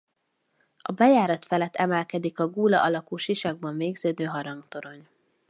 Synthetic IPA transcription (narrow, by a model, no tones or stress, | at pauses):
ɒbɛjaːɾɒt̪fɛlɛt̪ːɛmɛlkɛd̪ikɒɡuːlɒ̰ʔɒlɒkuːʃiʃɒɡ̚bɒɱveːɡzøːd̪øːɦɒɾɒŋkt̪o̞ɾo̞ɲ